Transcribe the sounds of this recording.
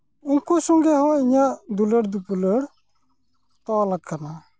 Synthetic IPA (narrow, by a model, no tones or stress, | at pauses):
uŋkosɔŋɡɛɦɔiɲaʔd̪uləɽd̪upuləɽ | t̪ɔlakʰːana